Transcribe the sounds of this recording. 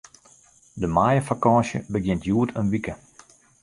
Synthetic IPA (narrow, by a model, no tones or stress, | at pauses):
dəmaːjəfakɔ̃ːsjə̰bəɡjɪntʰjuətʰənʋikə